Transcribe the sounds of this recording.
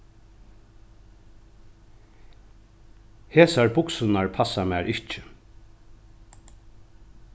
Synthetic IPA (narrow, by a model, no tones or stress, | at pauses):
heːsaɹbʊksʊnaɹpʰasamæːɹʔɪht͡ʃɪ